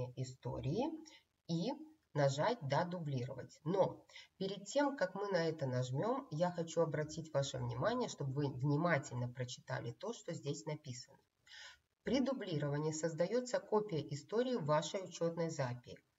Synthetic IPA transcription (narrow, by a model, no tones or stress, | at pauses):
əʔɪst̪o̞̰ɾʲɪː | i | nɐʐatʲd̪ad̪ʊblʲiɾə̰və̰tʲno̞pʲɪɾʲɪd̪̚tʲe̞mkakmɨnɐɛt̪ənɐʐmʲo̞mjaxɐt͡ɕuɐbɾɐtʲitʲvaʂɨ̰vnʲɪmanʲɪjəʂt̪o̞bvɨvnʲɪmatʲɪlʲnəpɾət͡ɕɪ̥t̪a̰lʲɪt̪o̞ʂt̪o̞zʲdʲesʲnɐpʲisənə | pɾʲɪd̪ʊblʲiɾəvənʲɪːsəzd̪ɐjo̞t̪səkopʲɪjəʔɪst̪o̞ɾʲɪːvaʂəjʊt͡ɕo̞t̪nəjzapʲɪɪ